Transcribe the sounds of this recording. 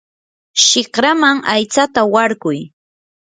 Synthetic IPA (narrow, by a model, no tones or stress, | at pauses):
ʃɪχkɾamaŋajt͡sat̪awaɾkʊj